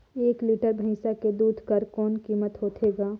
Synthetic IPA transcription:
eːkliːʈəɾbʱəĩːsaked̪uːd̪ʱkəɾkɔːnkiːmət̪ɦoːt̪ʰeːɡaː

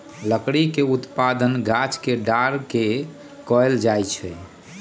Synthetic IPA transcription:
ləkɽikeut̪pad̪ənɡʱat͡ʃkeɖaɾke | kɔjld͡ʒajt͡ʃʰɛ

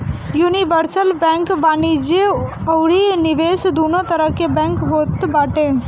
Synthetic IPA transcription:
juːniʋəɾsəlbɛ̃ŋkʋaːnid͡ʒeɐwɽiniʋeːsd̪uːnot̪ɐɾəɦkebɛ̃ŋkɦoːt̪baːʈẽ

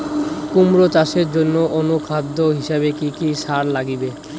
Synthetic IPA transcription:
kumɾot͡ɕaʃeɾd͡ʑonːoʔonukʰad̪ʱːoɦiʃabekikiʃaɾlaɡibe

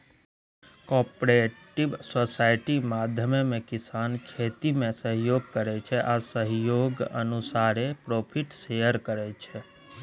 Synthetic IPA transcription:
kɔpɾeʈibsosaɪʈimad̪ʱjəmemekisankʰet̪imẽsəɦjoɡ̚kəɾɛt͡ʃʰɛʔasəɦjoɡə̰nusaɾepɾopʰiʈsejəɾkəɾɛt͡ʃʰɛ

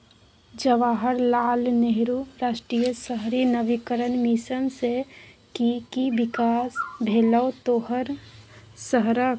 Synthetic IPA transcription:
d͡ʒəʋaːɦəɾlaːlneɦɾuɾaːʃʈɾijəsəɦɾinəʋikəɾənmiʃənsekikibɪkaːsbʱeːləwt̪oːɦəɾ | səɦɾə

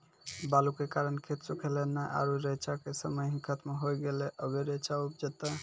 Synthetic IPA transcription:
balukekaɾənkʰet̪sukʰelenajʔa̰ɾuɾet͡ʃakesəməjɦĩkʰət̪meɦojɡeleʔəbeɾet͡ʃaupd͡ʒet̪a

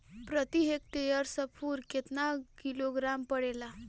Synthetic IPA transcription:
pɾət̪iɦek̚ʈejəɾsəpʰuːɾket̪nakiloɡɾampəɽela

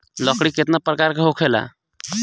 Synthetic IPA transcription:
ləkɽiket̪napɾəkaɾkeɦokʰela̰

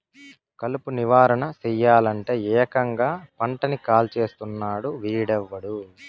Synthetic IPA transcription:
kɐlupuniʋaːɾɐɳɐsɛjːaːlɐɳʈe̞ːɛːkɐŋɡaːpɐɳʈɐnikaːlt͡ʃe̞ːst̪unːaːɽuʋiːɽɛʋːɐɽu

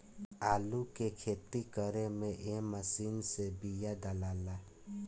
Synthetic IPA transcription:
alukekʰet̪ikəɾemeʔeməsinsebijad̪alala

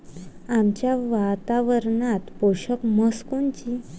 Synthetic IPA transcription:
amt͡ɕjaʋat̪aʋəɾɳat̪poɕəkməskunt͡ɕi

